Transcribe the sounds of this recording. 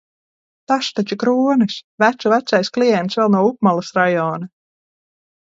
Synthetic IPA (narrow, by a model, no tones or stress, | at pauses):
t̪aʃt̪at͡ʃikɾuːnisʲvæt̪suvæt̪sajsklijɛnt̪svɛlˠnuɔup̚malˠasɾajɔːna